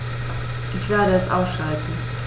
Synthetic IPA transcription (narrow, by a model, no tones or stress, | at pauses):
ʔɪçv̥eːɐɾəɛsʔa̰ʊsʃaltn̩